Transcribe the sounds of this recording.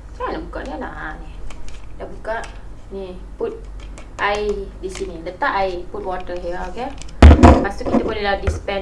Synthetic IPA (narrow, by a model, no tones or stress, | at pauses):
saalabukaʔnala̰ʔanidaʔbukaʔ | ni | put̪̚ | ʔaidisinĩlət̪aʔajput̚watəɦiake | pasukit̪əbolɛdadispɛ